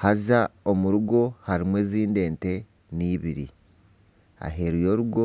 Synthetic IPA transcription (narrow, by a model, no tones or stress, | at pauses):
hazaomuɾuɡo̞haɾimwe̞ːziːnde̞ːnte̞ | niːβiɾḭ | a̰ɦe̞ɾujo̞ːɾuɡo